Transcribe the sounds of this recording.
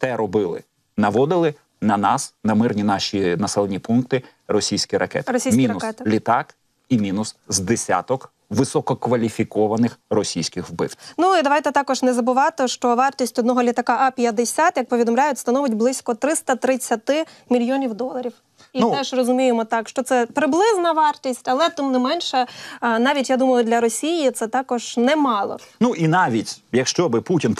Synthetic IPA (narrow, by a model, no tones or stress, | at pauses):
t̪ɛɾɔbɪlˠɪ̰ | nɐʋɔd̪ɪlˠɪ | nɐnɑsnɐmɪrnʲinɑʃʲinɐsɛlˠenʲipunk̚t̪ɪ | rɔsʲijsʲkʲiɾɐ̰kɛ̰t̪ɾɔsʲismʲinɐʊɛt̪ɪlʲit̪ɑk | imʲinʊszd̪esʲa̰t̪ɔk | ʋɪsɔkɔkʋɐlʲifʲikɔʋɐnɪxrɔsʲijsʲkɪxwbɪ̰wnuid̪ɐʋɑjt̪ɛt̪ɑkɔʒnɛzɐbʊʋɑt̪ɪʃt͡ʃɔʋɑrt̪ʲisʲtʲɔd̪nɔɦɔlʲit̪ɐkɑʔɐpʲjɐd̪esʲat̪jɐk̚pɔʋʲid̪ɔmlʲajʊtʲst̪ɐnɔʋɪtʲblˠɪsʲkɔt̪ɾɪst̪ɐt̪ɾɪt͡sʲːɐt̪ɪmʲilʲjɔnʲiwd̪ɔlˠɐɾʲiw | iɛʒrɔzʊmʲijemɔt̪ɑkʃt͡ʃɔt̪sɛpɾɪblˠɪznɐʋɑrt̪ʲisʲtʲɐlˠɛt̪ɪmnɪmɛnʲʃɛnɑʋʲitʲjad̪umɐjˠʊd̪ʲlʲɐɾɔsʲijit̪sɛt̪ɑkɔʒ̥nɛmɑlˠɔ̰nuʔinɑʋʲitʲjɐkʃt͡ʃɔbɪputʲin